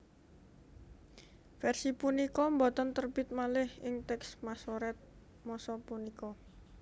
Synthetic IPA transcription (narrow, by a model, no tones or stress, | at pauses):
fɛrsipunikɔmbɔt̪ənt̪ərb̥ɪt̪̚malɪhɪŋt̪ɛksmasoɾɛt̪̚ | mɔsɔpunikɔ